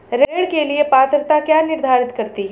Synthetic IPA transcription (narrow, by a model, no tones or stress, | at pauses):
ɾeːɽkeliepaːt̪ɾt̪akjaːnɪɾd̪ʱaːɾɪt̪kɐɾt̪iɦɛ